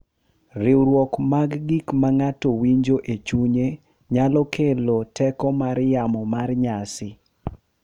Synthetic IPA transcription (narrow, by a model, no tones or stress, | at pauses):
rɪwɾwɔkmaɡːikmaŋatɔwiɲd͡ʒoʔet͡ʃuɲe | ɲalɔkʰelotʰɛkɔmaɾjamɔmarɲasɪ